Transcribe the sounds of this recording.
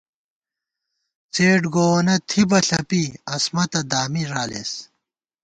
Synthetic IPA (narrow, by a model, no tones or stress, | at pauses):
t͡seːʈɡoːnɐt̪ʰibɐɬɐpiɐsmɐt̪ɐd̪aːmiɾaːlḛs